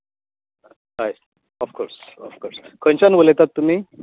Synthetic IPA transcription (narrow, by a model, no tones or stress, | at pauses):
ɦaj | ɔfkoɾsɔfkoɾskʰənt͡ɕanʋolet̪at̪ːum̤iː